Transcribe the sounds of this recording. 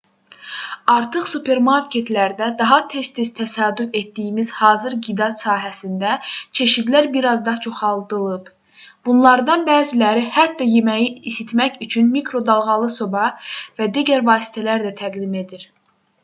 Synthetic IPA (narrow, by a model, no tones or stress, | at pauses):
ɑɾt̪ʰɯχsupʰe̞ɾmɑɾkʲʰe̞t̪ʰlæɾd̪æd̪ɑɦɑt̪ʰe̞st̪iz̥t̪ʰæsɑːd̪yfe̞t̪d̪ijimizhɑːzɯɾɡid̪ɑsɑːɦæsind̪æt͡ʃʰe̞ʃid̪læɾbiɾɑzd̪ɑt͡ʃʰo̞χɑlˠd̪ɯlˠɯb | b̥unlˠɑɾd̪ɑnbæːzilæɾihæt̪̚ːɑjemæjiisit̪mæcyt͡ʃʰynmikɾo̞d̪ɑlˠʁɑlˠɯso̞bɑvæd̪iɟæɾvɑːsi̥t̪ʰælæɾd̪æt̪ʰæɡd̪ime̞d̪iɾ